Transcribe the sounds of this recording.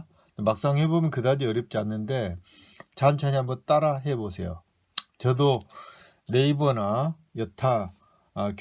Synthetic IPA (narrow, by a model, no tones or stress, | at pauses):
emak̚s͈aŋɦebomjʌnkɯdad͡ʑiʌɾjʌp̚t͡ɕ͈ianːɯnde̞ | t͡ɕant͡ɕʰaɲiɦambʌnt͈aɾaɦe̞bosʰe̞jo̰ | t͡ɕʌdo | ne̞ibʌna | jʌtʰaː | k